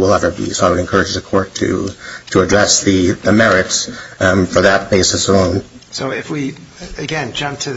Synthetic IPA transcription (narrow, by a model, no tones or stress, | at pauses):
wəlˠɛvə˞bḭsoʊaɪwɨɾɨ̃nkʰɜ˞ɨd͡ʒɨzɨkʰɔɹtʰɨ̰ɾɨɨdɹɛsðɨðɨmɛɹɨtsfə˞ðɨt̚b̥eɪsɨsõʊ̃nsoʊɪfwiɨɡɛ̃nd͡ʒʌ̃mp̚tʰɨ